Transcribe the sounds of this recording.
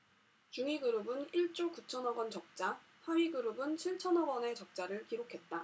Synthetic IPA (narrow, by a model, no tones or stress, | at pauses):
t͡ɕuŋiɡɯɾɯbɯniɭt͡ɕ͈okut͡ɕʰʌnʌɡʌnt͡ɕʌk̚t͡ɕ͈apʰaɥiɡɯɾɯbɯnt͡ɕʰiɭt͡ɕʰʌnʌɡʌne̞t͡ɕʌk̚t͡ɕ͈aɾɯɭkiɾokʰe̞t̚t͈a